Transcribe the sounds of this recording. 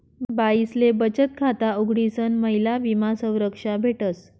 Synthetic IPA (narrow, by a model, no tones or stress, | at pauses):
baislebət͡ɕət̪kʰat̪auɡɽisənməɦilaʋimasə̃w̃ɾəkʂabʱeʈəs